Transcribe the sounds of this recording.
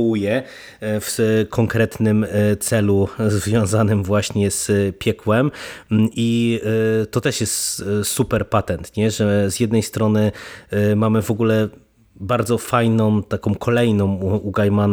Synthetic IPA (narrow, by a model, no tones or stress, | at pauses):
ujɛ | fkʰɔŋkɾɛt̪nɘmt̪sɛluzvʲjɔ̃w̃zanɘmvwaɕɲɛz̥pʲjɛkwɛmʔi | t̪ɔt̪ɛʂjɛst̪supɛɾpat̪ɛnt̪ɲɛʐɛzjɛd̪nɛjst̪ɾɔnɘ | mamɘvɔɡulɛ | baɾd̪zɔfajnɔ̃w̃t̪akɔ̃w̃kʰɔlɛjnɔ̃w̃uɡajman